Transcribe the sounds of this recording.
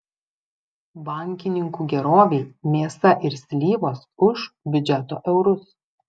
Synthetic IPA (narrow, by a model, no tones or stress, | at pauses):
bɐˑŋʲkʲɪnʲɪŋkuːɡʲɛɾoːʋʲɛɪmʲeːsɐʔɪɾsʲlʲiːʋoːsʊʃbʲʊd͡ʒʲɛt̪oːʔɛʊɾʊs